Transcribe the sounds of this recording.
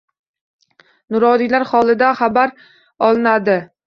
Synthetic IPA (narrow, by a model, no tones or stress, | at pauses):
nʊɾɒd̪ijlaɾχɒlˠɪd̪aχabaɾ | ɒlˠɪnad̪ɪ